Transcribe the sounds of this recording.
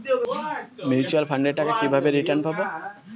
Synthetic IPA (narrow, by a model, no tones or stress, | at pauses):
mit͡ʃualfʰaɳɖeɾʈakakibʱabeɾiʈaɾnpabo